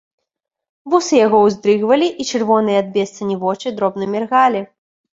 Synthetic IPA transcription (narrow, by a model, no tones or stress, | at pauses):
vusɨjaɣɔwzd̪ɾɨɣvɐlʲiʔit͡ʂɨrvɔnɨjɛad̪̚bʲɛst̪sɐnʲivɔt͡ʂɨd̪ɾɔbnɨmʲɛrɣalʲi